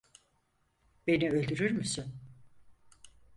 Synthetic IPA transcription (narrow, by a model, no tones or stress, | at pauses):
be̞niø̞lʲd̪yɾyɾmysyn